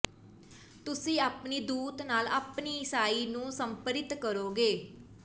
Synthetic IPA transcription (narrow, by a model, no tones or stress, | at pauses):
t̪ʊsĩːaːpniːd̪uːt̪naːlaːpniːɪsaːiːnũːsəmpəɾɪt̪kəɾoːɡeː